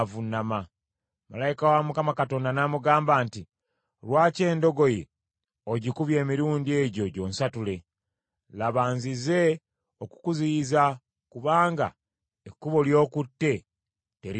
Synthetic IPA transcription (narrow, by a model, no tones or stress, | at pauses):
vunama | ma̰lajikawamukamakato̞ːndanamuɡaːmbaːnti | lwaːce̞ːndo̞ɡo̞je | oɟikuβje̞ːmiɾuːndie̞ɟo̞ɟo̞ːnsatule̞ | laβaːnzize̞ | oku̥kuziza | kuβaːŋɡa̰ | ekːuβo̞ljo̞ːkutːe̞ | te̞ɾ